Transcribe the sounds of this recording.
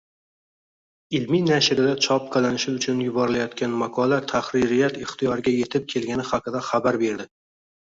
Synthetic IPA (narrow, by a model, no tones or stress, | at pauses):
ɪlminaʃɪɾɪlat͡ʃʰɒp̚qʰɑlanɪʃɪʊt͡ʃʰʊnjʊbɒɾɪlajɒt̪̚kʲanmaqʰɒlat̪ʰaχɾɪɾɪjat̪ɪχt̪ʰɪjɒɾɡʲaje̞t̪ʰɪp̚kʲʰe̞lɡʲanɪχaqɨd̪aχabaɾbe̞ɾd̪ɪ